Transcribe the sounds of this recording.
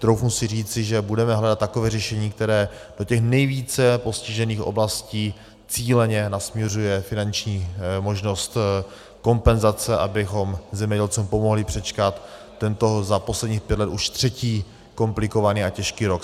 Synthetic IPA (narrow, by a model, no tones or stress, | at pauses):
t̪ɾowfnusɪr̝iːt͡sɪʒɛbudɛmɛɦlɛdat̪ːakovɛːrɛʃɛɲiːk̚t̪ɛɾɛːd̥o̞cɛxnɛjviːt͡sɛpo̞scɪʒɛniːxʔo̞̰blasciː | t͡siːlɛɲɛnasmɲɛrujɛfɪnant͡ʃɲiːmo̞ʒno̞st̪ | ko̞mpɛnzat͡sɛʔabɪxo̞mzɛmɲɛɟɛlt͡suːmpo̞mo̞ɦlɪpr̥ɛt͡ʃkat̪ː | ɛnt̪o̞zapo̞slɛdɲiːxpjɛt̪lɛt̪uʃt̪r̝̥ɛciː | ko̞mplɪko̞vaniːacɛʃkiːɾo̞k